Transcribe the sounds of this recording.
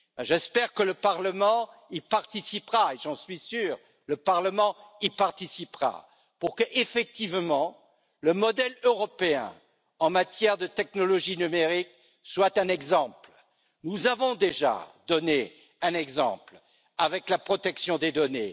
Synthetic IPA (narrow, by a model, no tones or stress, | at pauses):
ɛʒɛspɛʁkələpaʁləmɑ̃ | ipaʁt̪isipʁaeʒɑ̃sɥisyːʁ | ləpaʁləmɑ̃ipaʁt̪isipʁa̰ | puʁkəʔefɛk̚t̪ivmɑ̃ | ləmɔd̪ɛløʁɔpeɛ̰̃ | ɑ̃mat̪jɛʁd̪ət̪ɛknɔlɔʒinymeʁik | swat̪ɛ̃nɛɡzɑ̃pl | nuzavɔ̃d̪eʒa̰d̪ɔne | ɛ̃nɛɡzɑ̰̃pl | avɛklapχɔt̪ɛksjɔ̃d̪ed̪ɔnḛ